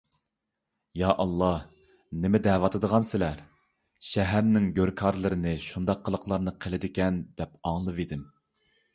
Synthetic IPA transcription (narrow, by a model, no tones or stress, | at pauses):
jɑʔɑlˠːɑ | nɪmɪd̪ɛːwɑt̪ʰɨd̪əʁɑnsɪlæɾ | ʃɛɦæɾnɪŋɡʲøɾkʰɑɾlˠɨɾɨnɨʃund̪ɑqʰːəlˠəqlˠɑɾnɨqʰəlˠɪd̪ɪkʲɛnd̪ɛpɑŋlˠɨvid̪ɪm